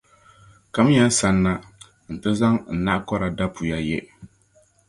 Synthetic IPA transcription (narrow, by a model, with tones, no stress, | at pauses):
ka˨˦m˦ɲɛ˨˦n˦sa˨˦nːa˦ | n̩˨tɨ˦za˦ŋn̩˨na˦ʔkɔ˦ɾa˨da˦pʰu˨ja˦jɛ˦